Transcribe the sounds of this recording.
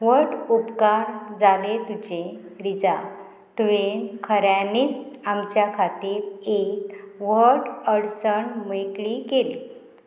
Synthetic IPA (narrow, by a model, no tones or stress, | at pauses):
ʋəɾʈupkaɾd͡zalet̪ud͡ʑeɾid͡za | t̪uʋekʰəɾjaniːt͡samt͡ɕjakʰat̪iːɾekʋəɾʈəɽsəɳməjkɭikeli